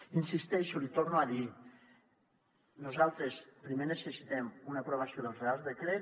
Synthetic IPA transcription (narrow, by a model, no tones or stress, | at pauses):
insist̪ɛʃulit̪ornuaði | nuzalˠt̪ɾespɾimenəsəsit̪ɛmunapɾoβ̞asioðəlˠzrealˠzðəkɾe